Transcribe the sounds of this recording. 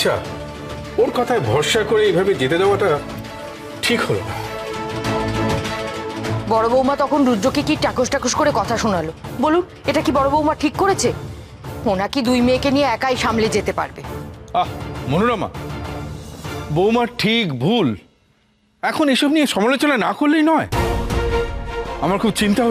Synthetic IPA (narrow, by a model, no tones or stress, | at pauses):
atːɕʰa̰ | oɾkɔt̪ʰaebʱɔɾʃakoɾeejbʱabed͡ʑet̪ed̪aoaʈa | ʈʰikholo̰na̰ | bɔɽobowmat̪ɔkʰonɾudɾokikiʈakoʃʈakoʃkoɾekɔt̪ʰaʃonalobolun | eʈakibɔɽobowmaʈʰikːoɾet͡ɕʰe | onakid̪ujmeːkenieɛkajʃamled͡ʑet̪epa̰ɾbeamonuɾama̰ | bowmaɾʈʰikbʱul | ɛkʰoneʃɔb̚nieʃɔmalot͡ɕonanakolːejnɔe | amaɾkʰub̚t͡ɕint̪aɦo